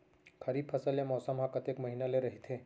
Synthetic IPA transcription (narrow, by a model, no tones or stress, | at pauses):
kʰəɾiːpʰəsəljamɔsəmɦakət̪ekməɦinaleɾəɦit̪ʰẽ